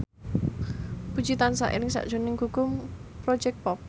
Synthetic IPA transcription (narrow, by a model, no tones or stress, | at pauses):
bu̥d͡ʒit̪ansa̰ʔḭɾɪŋsa̰ʔd̥ʒ̥o̤nɪŋɦukʊmpɾɔ̥d͡ʒɛk̚t̪̚pɔp̚